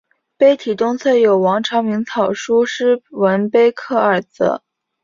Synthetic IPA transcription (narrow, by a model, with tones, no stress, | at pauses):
pe˥ɪt̪ʰi˨˩t̪ʊ˥ŋt͡sʰɤ˥˩jo˨˩ʊwɑ˧˥ŋʈ͡ʂʰɑ˧˥ŋmi˧˥ŋt͡sʰɑ˨˩ʊʂu˥ʂɻ̩˥˩wə˧˥npe˥ɪkʰɤ˥˩ə˞˨˩t͡sə̰˧˥